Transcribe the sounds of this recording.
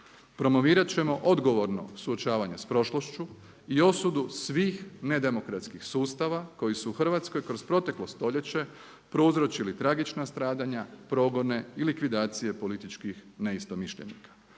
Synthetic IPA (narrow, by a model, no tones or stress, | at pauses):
pɾo̞mo̞ʋiːɾat͡ɕe̞mo̞ʔo̞d̪ɡo̞ʋo̞ɾno̞̰suo̞t͡ʃaːʋaɲespɾo̞ʃlˠoʃt͡ʃu | io̞sud̪usʋiːxne̞d̪e̞mo̞kɾat̪skixsuːst̪aʋako̞jisuːxr̩ʋat̪sko̞jkɾo̞zpɾo̞t̪e̞klo̞st̪o̞ʎe̞t͡ɕe̞ | pɾo̞uzɾo̞t͡ɕilit̪ɾaɡit͡ʃnast̪ɾaːd̪aɲapɾo̞ːɡo̞ne̞ilikʋid̪aːt̪sije̞po̞lit̪it͡ʃkixne̞ist̪o̞miʃʎḛnḭkḁ